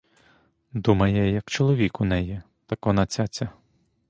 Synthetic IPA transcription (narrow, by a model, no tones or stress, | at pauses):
d̪umɐjɛjɐkt͡ʃɔlˠɔʋʲikunɛji | t̪ɐkɔnɐt͡sʲat͡sʲɐ